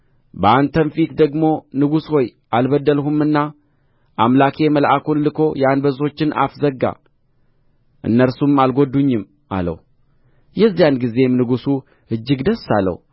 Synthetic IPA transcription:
bəant̪ʰənfit̪d̪əɡmo̞nɨɡusho̞jʔalbəd̪ːəlhumːɨnːa | ʔamlakʰe̞məlʔakunlɨkʰo̞janbəzo̞t͡ʃːɪna̰fzəɡːa̰ | ʔɨ̰nːəɾsumalɡo̞d̪ːuɲːɪm | a̰lə̰wu | jɛzːijanɡize̞mnɨɡusu | ɨd͡ʒːɨɡd̪əsalːə̰h

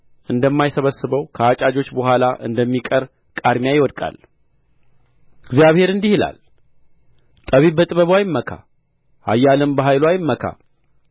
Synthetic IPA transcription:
ʔɨnd̪əmːajsəβəsːɨβəwkʰəat͡ʃʼad͡ʒo̞t͡ʃːbəɦʷalaʔɨ̰nd̪əmːikʼəɾ | kʼad̪mjajɪwɔd̪kʼa̰l | ɨɡzijaβhe̞ɾɨnd̪ihila̰l | t̪ʼəβibət̪ʼɨβəβwajɪmːəkʰa̰ | ha̰jːalɨmbəɦajlwajɪmːəkʰa̰

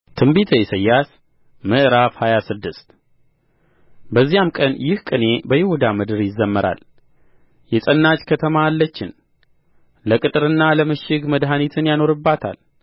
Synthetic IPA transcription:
t̪ʰɨmbit̪ʰəjɛsəjːas | mɨʔɾafhajasɨd̪ːɨst̪ | bəzːijamkʼənjɪhkʼɨne̞bəhɪhud̪amɨd̪ɨɾjɪzːəmːəɾʔa̰l | jɛsʼənːat͡ʃkʰət̪ʰəmaːlːət͡ʃːɪn | ləkʼɨt̪ʼɨɾɨnːaləmɨʃɪɡməd̪ɦanit̪ʰɨnjano̞ɾɨbːat̪ʰa̰l

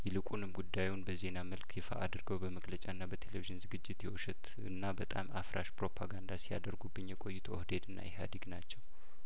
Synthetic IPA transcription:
jɛlɨkʼunɨmɡud̪ːajunbəze̞naməlkjɪfa̰ʔad̪ɾɡəwbəməɡlət͡ʃʼaɨnːabət̪ʰe̞leviʒɪnzɨɡɨd͡ʒːɪt̪jɛwoʃɛt̪ | ɨ̰nːabət̪ʼa̰mafɾʔaʃpɾo̞pʰaɡand̪asija̰d̪əɾɡubːɨɲjɛkʼo̞jːut̪ʰohd̪e̞d̪ɨnːa̰jɛɦa̰d̪iɡnat͡ʃːɛw

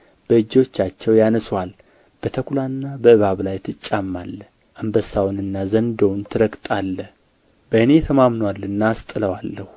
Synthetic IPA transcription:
b̥əɨd͡ʒo̞t͡ʃːat͡ʃːɛwjanəswal | b̥ət̪ʰəkʰulanːabəɨβaβlajt̪ʰɨt͡ʃʼːamːalːə | ʔambəsawnɨnːazənd̪ownt̪ʰɨɾəɡt̪ʼalːə | bəɨne̞t̪ʰəmamnwalːɨnːaːst̪ʼɨləwalːəhu

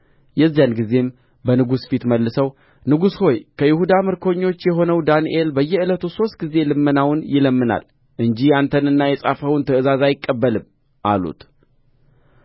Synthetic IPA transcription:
jɛzːijanɡize̞m | bənɨɡusfit̪məlːɨsəw | nɨɡusho̞jkʰəjɪhud̪amɨɾkʰo̞ɲːo̞t͡ʃːjɛɦo̞nəwd̪anḭʔe̞lbəjːɛɨlət̪ʰuso̞st̪̚ɡize̞lɨmːənawnjɪləmːɨna̰l | ʔɨɲd͡ʒiant̪ʰənɨnːajɛsʼafəwnt̪ʰəɨzazajɪkʼːəbːəlɨm | ʔa̰lṵt̪

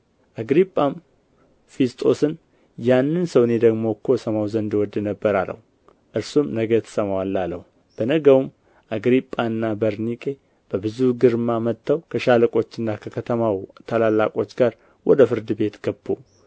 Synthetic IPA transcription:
ʔaɡɾipʼːam | fist̪ʼo̞sɨn | janːɨnsəwne̞d̪əɡmo̞kʰːosəmawzənd̪wɔd̪ːnəbːəɾalə̰hu | ʔɨɾsumnəɡət̪ʰə̥səmawalːalə̰hu | b̥ənəɡəwum | ʔaɡɾipʼːanːabəɾnikʼe̞ | b̥əbɨzuɡɨɾɨmːamət̪ʰːawkʰəʃaləkʼo̞t͡ʃːɨnːakʰəkʰət̪ʰəmawt̪ʰalalːa̰kʼo̞t͡ʃːɡaɾ | wʔɔ̰d̪əfɨɾd̪ɨbe̞t̪ɡ̥əbːo

